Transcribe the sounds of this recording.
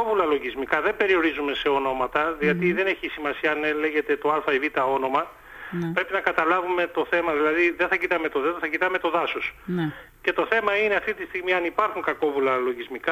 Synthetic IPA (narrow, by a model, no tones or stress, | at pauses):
ovulɐlo̞ʝizmikɐðe̞mbe̞ɾio̞ɾizume̞se̞o̞no̞mɐt̪ɐðiɐt̪iðe̞ne̞çisimɐsiɐɐnele̞ʝe̞t̪e̞t̪o̞ɐlfɐivit̪ɐo̞no̞mɐ | pɾe̞pinɐkɐt̪ɐlɐvume̞t̪o̞θe̞mɐðilɐðiðe̞θɐcit̪ɐme̞t̪o̞ðeθɐcit̪ɐme̞t̪o̞ðɐso̞snce̞t̪o̞θe̞mɐine̞ɐft̪it̪ist̪iɣmiɐnipɐɾxuŋkɐko̞vulɐlo̞ʝizmikɐ